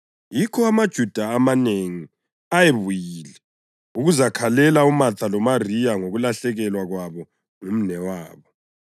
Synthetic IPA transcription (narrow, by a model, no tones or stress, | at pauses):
jikʰɔamad̥ʒ̥ʱud̥ʱaːmaneŋi | ajeβujilɛ | uɣuzakʰalɛlaumatʰalɔmarijaŋoɣulaɬɛɣɛlwaɣwaβɔ | ŋum̩nɛwaːβɔ